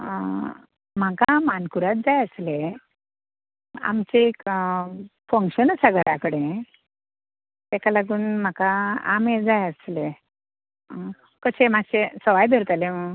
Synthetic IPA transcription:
m̤akamankuɾat̪̚d͡zajəsle | a̰mt͡ɕeːk | fə̃ŋkɕənəsaɡəɽakəɽẽ | t̪akalaɡuːnm̤akaa̰med͡zajəsle | kəɕemaɕesəʋajd̪ʱəɾt̪alemə

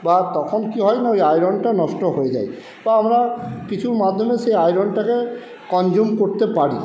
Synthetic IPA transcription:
bat̪ɔkʰonkiɦɔjnaojajɾɔnɖʈanɔʃʈoɦojed͡ʑa̰j | b̥aamɾakit͡ɕʰuɾmad̪ʱːomeʃejajɾɔɳʈake | kɔnd͡ʑumkoɾt̪epaɽi

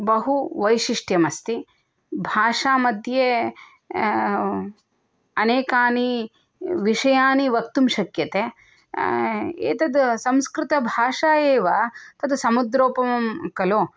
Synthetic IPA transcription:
bɐɦuʋɐjʃiʂʈjɐmɐst̪i | bʱaːʂaːmɐd̪ʱje | ɐneːkaːni | ʋiʂɐjaːniʋɐk̚t̪umʃɐkjɐt̪eː | ḛːt̪ɐd̪usɐmskɾɪt̪ɐbʱaːʂaːjeːʋɐt̪ɐd̪usɐmud̪ɾoːpɐmɐmkɐloː

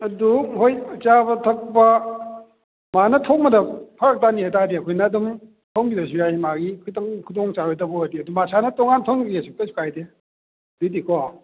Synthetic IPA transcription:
ɐduɦojɐt͡ʃabɐtʰɐk̚bɐ | manɐtʰok̚mɐdɐpʰɐɾɐk̚taniɦajtadiɐkʰojnɐːdum | pʰɐwŋbidɐs̬ujahimaɡikʰujtɐŋkʰudɔŋt͡ʃaɾɔjtɐbɔadiɐdumasʰanɐtɔŋantʰawŋɡesuk̚tɐsʰu̥kʰajde | dudikʰɔ

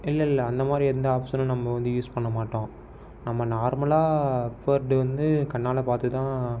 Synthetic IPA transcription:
ɪlːɐɪlːɐɐnd̪ɐmaːd̪ɾiɛɾɯnd̪ɐːpsɐnɯnɐmːɐʋɐnd̪ɯjuːspɐɳːɐmaːʈːõː | nɐmːɐnaːɾmɐɭaːfɐɾɖɯʋɐnd̪ɯkɐɳːaːlɐpaːɾt̪ɯt̪ãː

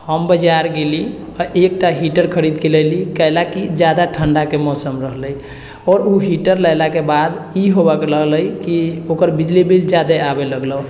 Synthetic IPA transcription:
həmbəd͡ʒaɾɡeli | ɔek̚ʈaɦiʈəɾkʰəɾid̪keləlikəjlakid͡ʒjad̪aʈʰəɳɖakemɔsəmɾəɦləj | ɔɾuɦiʈəɾləjlakebad̪iɦobakləɦləjkiokəɾbid͡ʒlibild͡ʒjad̪eabeləɡlə

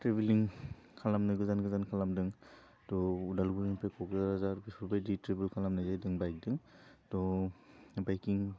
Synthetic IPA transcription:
tɾebiliŋ | kʰalamnɯɡɯzanɡɯzankʰalamdɯŋ | tɔudalɡuɾinpajkʰɔɡɯzaɾazaɾbisɔbajditɾebilkʰalamnajzajdɯŋbajk̚dɯŋtɔ | bajkiŋ

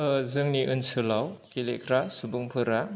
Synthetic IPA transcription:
ɯzɯŋniʔɯnsɯlawkilekʰɾasubuŋpʰɯɾa

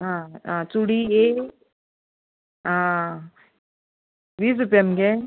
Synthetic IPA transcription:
ɦããt͡suɽie | ã | biːs̬ɾup̬jamɡe

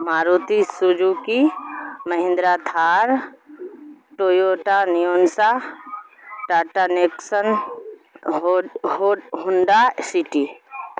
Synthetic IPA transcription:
maːɾut̪isud͡ʒukiməɦɪ̃nd̪ɾat̪ʰaːɾ | ʈoːjoːʈanijoːnsa | ʈaːʈaneːksən | hoɦʊnɖasiʈi

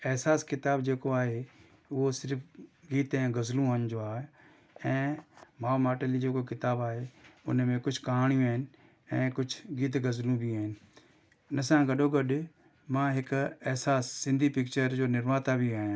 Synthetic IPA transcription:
ɛɦsaːskɪt̪aːbd͡ʑeːkoaːɦe | ʊɦosɪɾfɡiːt̪ɛ̃ːɡɐzlũɐnd͡ʑoːaː | ɛ̃ːmãːmaːʈəlid͡ʑeːkokɪt̪aːbaːɦeʊ̰nmẽkʊd͡ʒʱkaɦaɽ̃ijũaːɦɪnɪ̆ | ɛ̃ːkʊd͡ʑʰʱɡiːt̪̬ɡɐzlũbʱiaːɦɪnɪ̆ | ʊnəsãɡɐɗoɡɐɗ | mãːɦɪkɛɦsaːsːɪ̃nd̪ʱipɪkt͡ʃəɾd͡ʑoːnɪɾmaːt̪abʱiaːɦ

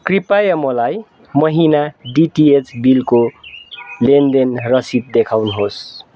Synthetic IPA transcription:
kripajʌmʌlaj | mʌɦinaɖiʈiet͡sbilko | lend̪enrʌsid̪̚d̪ekʰawniɦos

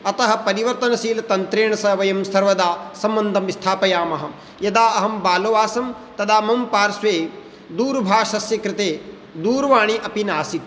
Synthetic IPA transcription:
ɐt̪ɐɦɐ̆pɐɾiʋɐɾt̪ɐnɐsiːlɐt̪ɐnt̪ɾeːɳɐsɐʋɐjɐmsɐɾʋɐd̪aːsɐmːɐnd̪ʱɐmist̪ʰaːpɐjaːmɐɦɐ | jɐd̪aːɐɦɐmbaːloʋaːsɐm | t̪ɐd̪aːmɐmpaːɾsʋeː | d̪uːɾbʱaːʂɐsjɐkɾɪt̪eː | d̪uːɾʋaːɳiʔɐpinaːsit̪̚

